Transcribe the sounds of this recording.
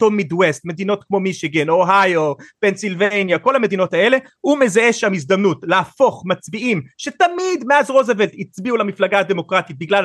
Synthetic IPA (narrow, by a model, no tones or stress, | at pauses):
tomid̪west̪me̞d̪ino̞t̪kmo̞miʃiɡeno̞ɦajope̞nsilvenjako̞lame̞d̪ino̞tae̞le̞ | ume̞zaeʃamizd̪amnutlaafo̞χmat͡sbiʔimʃe̞tamidmeazʁo̞zevelt̪it͡sbiulamiflaɡaːd̪e̞mo̞kʁat̪it̚biɡlal